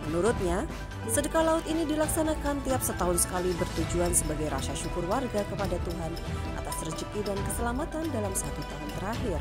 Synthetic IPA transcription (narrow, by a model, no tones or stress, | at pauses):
mənuɾʊt̪̚ɲa | sədəkalaʊt̪inidilaksanakant̪iap̚sət̪aɦʊnsə̥kalibərt̪ud͡ʒuansəbaɡajɾʔasaʃukʊrwarɡakəpadat̪uɦan | ʔa̰t̪asrəd͡ʒəkidankəsəlamat̪andalamsəɦat̪ut̪aɦʊnt̪əɾaɦɪr